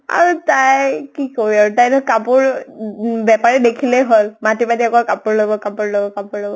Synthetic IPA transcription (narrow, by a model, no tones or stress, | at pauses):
a̰ɹutajkikoɹiaɹutajnɔkapuɹ | bjapaɹidekʰileɦolmatimatiakɔkapuɹlɔbɔkapuɹlobɔkapuɹlɔbɔ